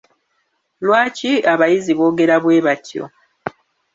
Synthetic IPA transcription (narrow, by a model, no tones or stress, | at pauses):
lwaːciaβajiziβo̞ːɡe̞ɾaβwe̞ːβatʰjo̰